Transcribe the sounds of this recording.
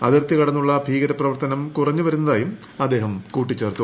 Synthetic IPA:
ɐðirt̪ːikɐɽɐnːuɭːɐbʱiːɡɐɾɐprɐʋɐrt̪ɐnɐmkurɐɲːɨʋɐɾunːɐðaːjum | ɐd̪ːe̞ːɦɐmkuːʈːit͡ɕːe̞ːrt̪ːu

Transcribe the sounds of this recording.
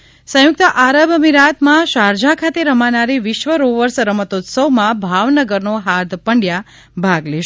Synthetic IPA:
sə̃jʊk̚t̪əʔaɾəbəmiɾat̪mãʃaɾd͡ʒakʰat̪eɾəmanaɾiʋɪʃʋəɾoʋəɾsəɾəmət̪ot̪səʋmãbʱaʋnəɡəɾnoɦaɾd̪pəɳɖja | bʱaɡleʃ

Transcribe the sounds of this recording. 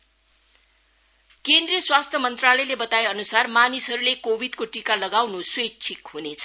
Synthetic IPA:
kend̪rijʌswast̪ʰjʌmʌnt̪ralʌjlebʌt̪aeʌnusarmanisɦʌɾulekobʱid̪koʈikalʌɡawnuswet͡sʰikɦunet͡sʰʌ̥

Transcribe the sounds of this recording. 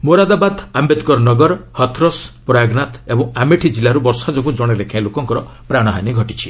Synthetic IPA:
moɾad̪abad̪ʱambet̪kɔɾnɔɡɔɾhɔt̪ʰɾɔspɾaɡnat̪ebɔŋameʈʰid͡ʒilaɾubɔɾsad͡ʒɔɡũd͡ʒɔɽ̃eɾekʰãĩlokɔŋkɔɾɔ | pɾaɽ̃ɔɦaniɡʱɔʈit͡ʃʰi̥

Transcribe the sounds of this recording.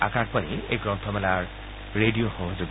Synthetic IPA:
a̰kak̚paniḛjɡɹɔ̃ntʰɔmɛlaɹ | ɹedijoxɔɦozuɡ

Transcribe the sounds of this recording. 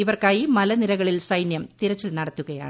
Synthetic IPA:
iʋɐrkaːjimɐlɐniɾɐɣɐɭilsɐjnjɐmt̪iɾɐt͡ɕːilnɐɽɐt̪ːuɣɐja̰ːɳɨ

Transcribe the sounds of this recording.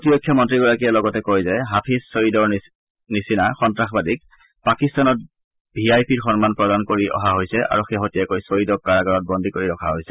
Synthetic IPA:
otijokʰːjɔmɔntɹiɡɔɹakijɛlɔɡɔtɛkojzɛɦapʰisːoɹidɔɹ | nisinaxɔntɹaxbadik̚ | pakistanɔt̚ | bʱiajpʰiɹxɔnmanpɹɔdankoɹiʔɔ̰ɦaɦojsɛʔa̰ɹuxeɦotiɛkojsoɹidɔkːaɹaɡɔɹɔt̚bɔndʱikoɹiɹɔkʰaɦojsɛ

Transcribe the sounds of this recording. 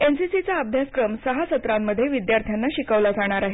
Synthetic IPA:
ensisit͡saəbʱjaskɾəmsəɦasət̪ɾamːəd̪ʱjeʋid̪jaɾt̪ʰjanːaɕikəʋlad͡zaɽ̃aɾaɦe

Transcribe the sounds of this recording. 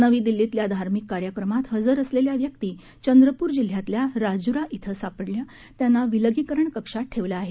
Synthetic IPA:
nəʋiːd̪ilːit̪ljad̪ʱaɾmikːaɾjəkɾəmat̪ɦəd͡zəɾəsleljaʋjək̚t̪iː | t͡ɕənd̪ɾəpuːɾd͡ʑil̤jat̪ljaɾad͡zuɾaʔit̪ʰəsapəɽlja | t̪janːaʋiləɡikəɾəɳkəkʂaʈʰeʋləːɦe

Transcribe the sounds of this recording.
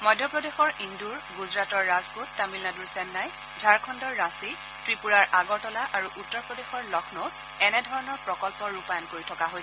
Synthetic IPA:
mɔjdʱːɔpɹɔdexɔɹinduɹɡuzɹatɔɹːazkutːamilnaduɹsɛnːaj | d͡ʒʱaɹkʰɔndɔɹːasi | tɹipuɹaɹaɡɔɹtɔlaʔaɹuʔutːɔɹpɹɔdexɔɹlɔkʰnɔ | ɛnɛdʱɔɹɔnɔɹpɹɔkɔlpɔɹupajɔnkoɹitʰɔkaɦojsɛ

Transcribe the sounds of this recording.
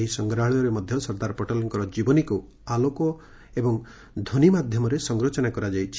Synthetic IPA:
ɦisɔŋɡɾaɦɭiɔɾemɔd̪ʱjɔsɔɾd̪aɾɔpɔʈɔlɔŋkɔɾɔd͡ʒibɔniku | alokɔ | ebɔŋ | d̪ʱonimad̪ʱjɔmɔɾesɔŋɡɾot͡ʃɔnakɔɾad͡ʒajt͡ʃʰ

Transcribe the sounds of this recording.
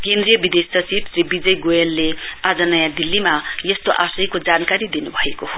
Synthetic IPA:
kend̪rijʌbid̪essʌt͡sibsribid͡zʌjɡojelːead͡zʌnʌjad̪ilːimajʌst̪oʔasʌjkod͡zankaɾid̪inubʱʌekoho

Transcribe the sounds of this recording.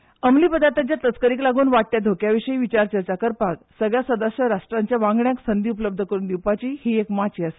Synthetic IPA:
əmliːpəd̪ʱat̪at͡ɕjat̪ət͡skəɾiːklaɡuːnʋaʈ̚ʈ̪ːjad̪ʱokjaʋiʂəiːʋit͡ɕaɾt͡ɕət͡ɕakəɾpaksəɡɭjasəd̪əsəɾaʂʈɾaɲt͡ɕjaʋãŋɡɳjaksənd̪ʱiupələb̚d̪ʱəkəɾuːnd̪iwpat͡ɕiːhiekmat͡ɕiase̥

